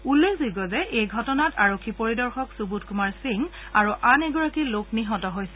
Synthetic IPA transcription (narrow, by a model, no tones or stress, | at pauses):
ulːekʰzuɡɔzɛʔejɡʱɔtɔnataɹokʰːipoɹidɔɹxɔksubutkumaɹsiŋ | aɹuʔanɛɡɔɹakilokniɦɔtɔɦojsɛ